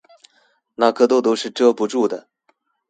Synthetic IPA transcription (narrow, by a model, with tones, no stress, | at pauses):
na˥˩kʰɤ˥˧t̪o˥ʊt̪o˥ʊʂɻ̩˥˩ʈ͡ʂɤ˥˩pu˧˥ʈ͡ʂu˥˩d̪ə˩